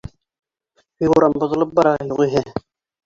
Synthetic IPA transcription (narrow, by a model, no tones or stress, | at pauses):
hiuɾɑmbŏðɤ̆lˠɤp̚bɑɾɑjuʁiɦɘ